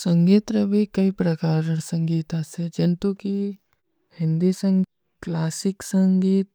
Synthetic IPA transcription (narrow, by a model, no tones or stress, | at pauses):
sɐ̃ŋɡiːt̪ɾəbʱikɐipɾɐkaːɾsə̃ŋɡiːt̪ased͡ʒɪnt̪uki | hɪ̃nd̪isə̃ŋ | klaːsɪksə̃ŋɡiːt̪̚